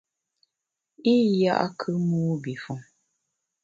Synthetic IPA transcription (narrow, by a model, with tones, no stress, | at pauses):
i˦ja̰˦ʔa̰˦kʰɨ˦muː˦bi˨fu˨ŋ